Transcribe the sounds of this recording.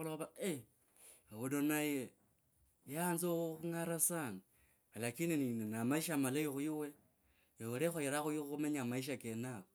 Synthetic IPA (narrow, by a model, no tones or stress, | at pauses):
uloβae | awudonaje | janzouxuŋaɾasani | alakinininenamaiʃamalajixujiwe | joweɾexojeɾaxujiuxumeɲamaiʃ̬akenaβo